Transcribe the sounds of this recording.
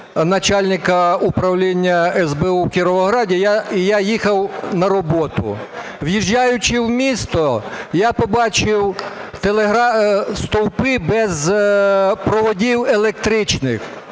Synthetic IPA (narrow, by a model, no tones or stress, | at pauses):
nɐt͡ʃalʲnʲɪkɐupɾɐwlʲinʲːɐɛzbɛuwkʲiɾɔʋɔɦɾɑdʲijaijajixɐwnɐɾɔbɔt̪ʊ̰ | wjiʒːajʊt͡ʃɪwmʲist̪ɔjapɔbɑt͡ʃɪwt̪elˠeɦɾɑst̪ɔwpɪbɛz | pɾɔʋɔdʲiwelˠek̚t̪ɾɪt͡ʃnɪx